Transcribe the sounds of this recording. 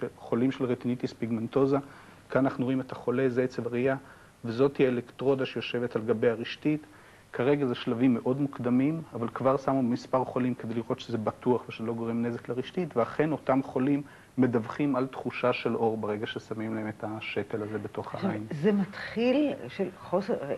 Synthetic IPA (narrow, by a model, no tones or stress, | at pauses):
ʃeχo̞limʃelʁet̪init̪ispiɡmento̞za | kaanaχnuooime̞thaχo̞le̞zeet͡sevaʁia | vezo̞thielektʁo̞daʃejo̞ʃe̞ve̞talɡabe̞jaʁiʃtit̪ | kʰaʁe̞ɡazeʃlavimːeʔo̞dmukd̪amimavalkvaʁsamubemispaʁχo̞limked̪ejliʁʔo̞t̪ʃezebatuaχveʃlo̞ɡoʁemne̞zekleʁiʃtitveaχe̞no̞tamχo̞limː | e̞davχimalt̪χuʃaʃe̞lo̞ʁbeʁe̞ɡaʃesamimlae̞met̪aʃe̞te̞laze̞be̞to̞χha̰ʔainzemat̪χilʃelχose